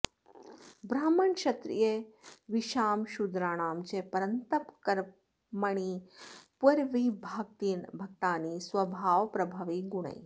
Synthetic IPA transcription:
bɾaːmɐɳʃɐt̪ɾḭjeʋiʃaːmʃud̪ɾaːɳaːmt͡ʃepɐɾənt̪ɐpkɐɾ | mɐɳ̃iːpuɾʋibʱaːɡ̚t̪iːnbʱɐk̚t̪aːniːsʋɐbʱaːʋpɾɐbʱaːʋiɡuɳɐ̰j

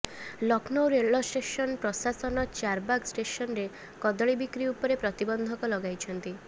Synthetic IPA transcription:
lɔknoɾeɭɔsʈesɔnpɾɔsasɔnɔt͡ʃaɾbaɡsʈesɔnɾe | kɔd̪ɔɭibikɾiupɔɾepɾɔt̪ibɔnd̪ʱɔkɔlɔɡajt͡ʃʰɔnt̪i

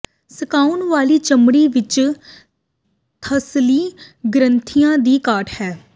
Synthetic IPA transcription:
səkaːʊnʋaːliːt͡ʃəmɽiːʋɪt͡ʃ | t̪ʰəsliːɡɾənt̪ʰijãːd̪iːkaːʈʰhɛː

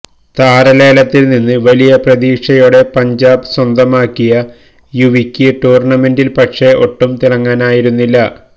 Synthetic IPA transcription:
t̪aːɾɐle̞ːlɐt̪ːilninːɨʋɐlijɐprɐðiːkʂɐjoːɽe̞pɐɲd͡ʑaːbɨswɐnd̪ɐmaːkːijɐ | juʋikʲːɨʈuːrɳɐme̞ndilpɐkʂe̞ʔo̞ʈːumt̪iɽɐŋːaːnaːjiɾunːilːɐ

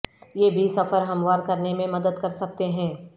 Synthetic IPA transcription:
jeːbʱisɐfəɾɦɐmwaːɾkɐɾnemẽmɐd̪əd̪kɐɾsɐk̚t̪eɦɛ̃ː

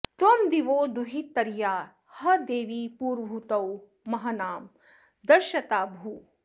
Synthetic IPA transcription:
t̪wɐmd̪iʋoːd̪uɦit̪ɐɾjaːɾ | hɐd̪eːʋiːpuːɾbʱut̪ɐw | mɐɦɐnaːm | d̪ɐɾʃɐt̪aːbʱu

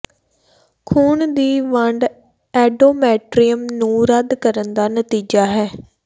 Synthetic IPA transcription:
kʰuːɳd̪iːʋəɳɖ | ɛːɖoːmɛːʈɾijəmnũːɾəd̪kəɾənd̪aːnət̪iːd͡ʒaːɦɛː

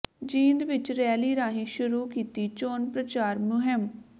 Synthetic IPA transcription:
d͡ʒiːnd̪ʋɪt͡ʃɾɛːliːɾaːɦĩːʃʊɾuːkiːt̪iːt͡ʃoːnpɾət͡ʃaːɾmʊɦɪm

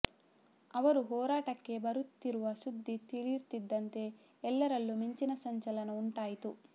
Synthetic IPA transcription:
ɐʋɐɾuɦɔːɾaːʈɐkːe̞bɐɾut̪ːiɾuʋɐʃud̪ʱːit̪iliɾt̪id̪ːɐnt̪e̞ | ɛlːɐɾɐlːuːmiɲt͡ʃinɐsɐɲt͡ʃɐlɐnɐuɳʈaːjit̪u

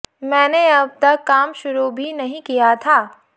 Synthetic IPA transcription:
mɛ̃ːneɐb̚t̪ɐkːaːmʃʊɾubʱinɐɦĩkijat̪ʰaː

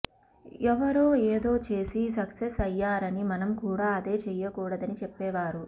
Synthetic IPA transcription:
ɛʋɐɾoːeːd̪o̞ːt͡ʃe̞ːsis̬ɐksesɐjːaːɾɐnimɐnɐmkuːɽaːɐd̪e̞ːt͡ʃɛjːɐkuːɽɐd̪ɐnit͡ʃɛpːɛːʋaːɾu

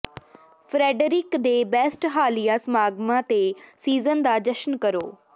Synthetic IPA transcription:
fɾɛːɖɾɪkd̪eːbɛːsʈɦaːlijasmaːɡmãt̪esiːzənd̪aːd͡ʒəʃnkəɾo̰ː

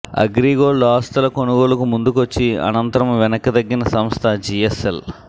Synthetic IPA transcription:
ɐ̰ɡɾiːɡoːɭaːst̪ɐlɐkonuɡo̞ːlɐkumund̪ukuʋɐt͡ʃːiɐ̰nɐnt̪ɐɾɐmʋɛnɐkːɐd̪ɐɡːinɐsɐmst̪ʰɐd͡ʒiesel

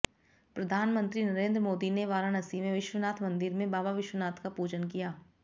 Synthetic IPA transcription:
pɾɐd̪ʱaːnmə̃nt̪ɾinɐɾẽːnd̪ɾəmoːd̪ineʋaːɾanɐsimẽʋɪʃwənaːt̪ʰmɐ̃nd̪ɪɾmẽbaːbaʋɪʃwənaːt̪ʰkapuːd͡ʒənkijaː

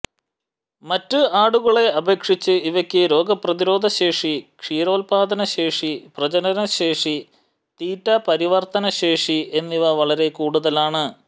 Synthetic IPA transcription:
mɐtːɨaːɽuɣɐɭe̞ɐbʱe̞ːkʂit͡ɕːɨiʋɐkʲːɨɾo̞ːɡɐprɐðiɾo̞ːd̪ʱɐɕe̞ːʂikʂiːɾo̞ːlpaːd̪ɐnɐɕe̞ːʂiprɐt͡ɕɐnɐnɐɕeːʂi | t̪iːtːɐpɐɾiʋɐrt̪ɐnɐɕeːʂiʔe̞nːiʋɐʋɐɭɐɾe̞kuːɽuðɐlaːɳɨ

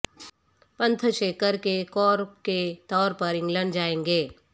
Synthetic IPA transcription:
pɐ̃nt̪ʰəʃeːkəɾkekɔːɾpket̪ɔːɾpɐɾɪ̃ŋɡlə̃ɳɖd͡ʒaːẽːŋɡeː

